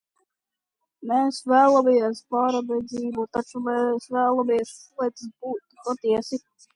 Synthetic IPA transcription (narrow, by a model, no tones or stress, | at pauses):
meːsvæːlˠamiɛspaːɾabɛd̪ziːbut̪at͡ʃumɛsvæːlˠɔmiɛsuɛt̪sbuːt̪pɔt̪iɛsi